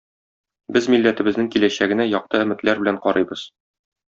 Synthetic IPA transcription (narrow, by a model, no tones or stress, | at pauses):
bɘzmilːæt̪ɘ̆bɘ̆znɘŋkilæɕæɡɘ̆næjɒq̚t̪ɤɘ̆mɘ̆t̪læɾbɘ̆læɴqɒɾɤjbɤz̥